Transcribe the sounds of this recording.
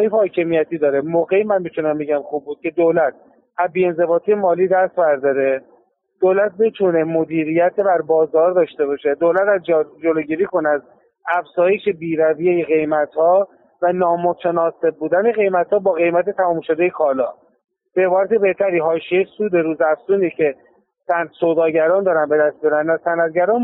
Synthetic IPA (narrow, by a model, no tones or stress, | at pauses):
jifhɒːcʰe̞mijæt̪ʰiːd̪ɒːɾemoɣemænmit̪ʰunæmbe̞ɟæmxuːb̚ːuːd̪̚cʰe̞d̪olæt̪̚ | æzbiːe̞nze̞bɒːt̪ʰijemɒːliːd̪æst̪bæɾd̪ɒːɾe̞ | d̪̥olæt̪̚bit̪ʰune̞mod̪iːɾijæt̪ʰebæɾbɒːzɒːɾd̪ɒːʃt̪e̞βɒʃe̞d̪olæt̪æzd͡ʒd͡ʒoloːɟiːɾiːko̞næz | æfz̥ɒːje̞ʃe̞biːɾævijejeɣe̞jmæt̪hɒː | vænɒːmot̪ʰænɒːse̞b̚buːd̪æne̞ɣe̞jmæt̪hɒːbɒːɣe̞jmæt̪e̞t̪ʰæmɒːmʃod̪ejekʰɒːlɒː | b̥ebɒːɾæt̪ebe̞ht̪ʰæɾiːɦɒːʃiejsuːd̪e̞ɾuːzæfsuːnicʰe̞ | sænsoːd̪ɒːɟæɾɒːnd̪ɒːɾænbe̞d̪æst̪miɒɾænːæsænæt̪̚ɟæɾɒːn